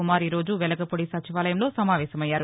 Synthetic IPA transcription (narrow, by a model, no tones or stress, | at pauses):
umaːɾiɾo̞ːd͡ʒuʋɛlɐɡɐpoɽisɐt͡ʃʰiʋaːlɐjɐmloːsɐmaːʋɛːsɐmɐjːaːɾu